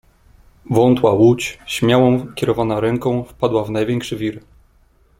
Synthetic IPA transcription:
vɔnt̪wawut͡ɕɕmʲjawɔ̃w̃kʲɛɾɔvanaɾɛŋkɔ̃w̃fpad̪wavnajvʲjɛŋkʂɘvʲiɾ

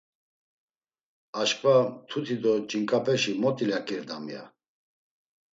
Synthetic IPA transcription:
aʃkʼvat̪ʰut̪ʰid̪ɔd͡ʒiŋkʼapʰɛʃimɔt̪ʼilakʼiɾd̪amija̰

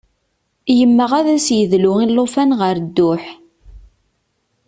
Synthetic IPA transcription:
jəmːəʁæðæsjəðlʊilːofænʁəɾd̪ːʊħ

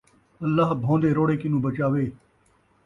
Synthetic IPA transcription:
əlːaːbʱõːnd̪eːɾoːɽeːkɪnũːbət͡ʃaːʋeː

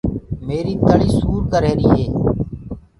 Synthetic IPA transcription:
meːɾiːt̪əɽiːsuːɾkəɾeːɾiːɦeː

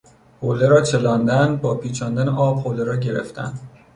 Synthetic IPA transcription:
holeɾɒːt͡ʃʰe̞lɒːnd̪ænbɒːpʰiːt͡ʃʰɒːnd̪æneʔɒːb̥̚hoːleɾɒːɟe̞ɾḛft̪æ̰nd̪̥

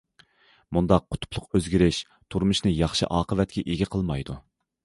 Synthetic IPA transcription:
mund̪ɑqːʰʊ̥t̪ʰʊ̥pʰlˠʊqøzɡʲiɾɪʃ | t̪ʰuɾmuʃnɨjɑχʃɨ̰ʔɑːqəvɛt̪̚kʲɛʔeɡʲɛqʰəlˠmɑjd̪u

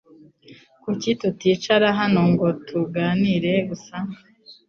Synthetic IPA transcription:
kucitutiːt͡ʃaɾaɦano̞ŋɡo̞tʰuɡaːniɾe̞ɡusa

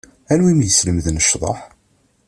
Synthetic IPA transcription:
ænwimjəsləmðənəʃðˤɑ̰ħ

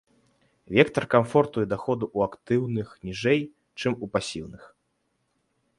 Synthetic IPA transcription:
vʲɛkt̪ɐrkamfɔrt̪ujɛd̪axɔd̪uʔuakt̪ɨwnɨxnʲiʐɛj | t͡ʂɨmupasʲiwnɨx

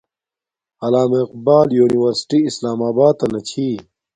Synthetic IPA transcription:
ɐlaːmeqbaːljuːniwɐɾsi̥ʈiːslaːmaːbaːd̪̚t̪ɐnɐt͡ɕʰiː

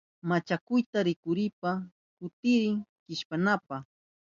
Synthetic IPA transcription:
mat͡ʃakʊjt̪aɾɪkʊɾɪpa | kʊt̪ɪɾɪŋkɪʃpanapaχ

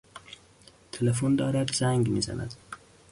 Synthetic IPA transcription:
t̪ʰelefund̪ɑːɾad̪zæŋɡmiza̰na̰d̪

